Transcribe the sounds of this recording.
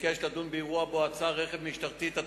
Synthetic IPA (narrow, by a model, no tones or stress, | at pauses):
keʃlad̪unbeiʁuaboat͡saʁeχevmiʃt̪aʁt̪it̪a